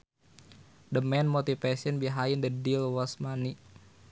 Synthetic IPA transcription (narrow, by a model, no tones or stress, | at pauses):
dəmɛnmot̪ifesiənbiɦaindədilwɔsmani